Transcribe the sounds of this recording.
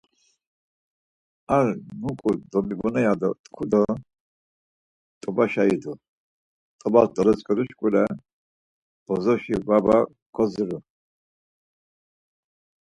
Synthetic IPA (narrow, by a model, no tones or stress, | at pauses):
aɾnukʼud̪ɔbibɔnɛjad̪ɔt̪ʼkʰud̪ɔ | t̪ʼɔbaʃaid̪u | t̪ʼɔbalt̪ʼɔlɛt͡sʼkʼɔɾuʃkʼulɛ | b̥ɔzɔʃivaba | kʰɔziɾu